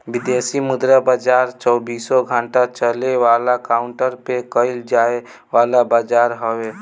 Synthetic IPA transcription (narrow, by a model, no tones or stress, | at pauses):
bid̪esimʊd̪ɾabad͡ʒaɾt͡ʃəːbiːsɔɡʱəɳʈat͡ʃəleʋaːlakaʊɳʈəɾpekəɪld͡ʒae | ʋaːlabad͡ʒaɾɦəwe